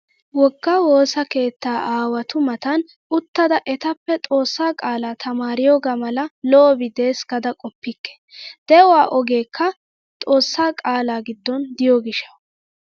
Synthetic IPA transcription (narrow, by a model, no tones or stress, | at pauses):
wɔɡːawo̞ːsɐke̞ːt̪ːaːʔaːwɐt̪ʊmɐt̪ɐn | ʊt̪ːɐd̪ɐʔɛt̪ɐpːɛt̪ʼo̞ːsːaːkʼaːlaːt̪ʰɐmaːɾɪjoːɡaːmɐlɐlɔʔɔbɪd̪e̞ːsɡɐd̪ɐkʼɔpːɪkːɛ̥d̪̥ɛʊwaːʔɔɡe̞ːkʰːɐ | t̪ʼo̞ːsːaːkʼaːlaːɡɪd̪ːɔnd̪ɪjoːɡɪʃːɐw